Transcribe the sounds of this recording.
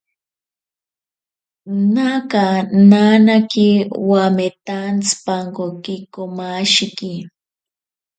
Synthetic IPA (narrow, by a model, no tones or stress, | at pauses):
nakananakiwamet̪ant͡spaŋkokikomaʃiki